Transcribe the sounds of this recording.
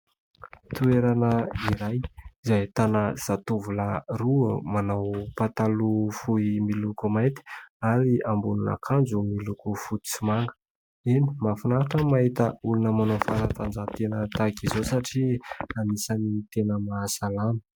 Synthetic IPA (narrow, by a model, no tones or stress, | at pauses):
t̪ueɾanəiɾajizajt̪anaz̥at̪uvularumanawpat̪alufuimilukumajt̪i̥aɾiambununa̰kʰand͡zumilukufut̪i̥t͡simaŋɡə̥ | ini̥mafunaɾaʈ͡ʂəmaɦit̪əulunəmanofaɾat̪and͡zat̪enət̪akizosaʈ͡ʂianisanit̪enəmasalanə̥